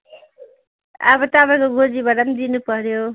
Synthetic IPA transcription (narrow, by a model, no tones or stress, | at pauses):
a̰bʌt̪abakoɡod͡zibaʈamd̪inupʌɾjo